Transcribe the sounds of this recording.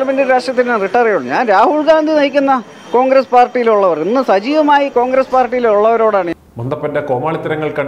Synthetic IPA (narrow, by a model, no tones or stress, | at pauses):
lɐmendiɾaːʂʈjɐt̪ːinneriʈːɐrejuɭːɲaːnɾaːhuɭɡaːnd̪ʱinɐjikʲːunːɐ | ko̞ːŋɡɾespaːrʈːijiluɭːɐʋɐrinːɨsɐd͡ʑiːʋɐmaːjiko̞ːŋɡɾespaːrʈːijiluɭːɐʋɐɾo̞ːɽaːɳɨ | mɐnd̪ɐpːɐndekoːmaːɭit̪ːɐɾɐŋːɐɭkɐɳ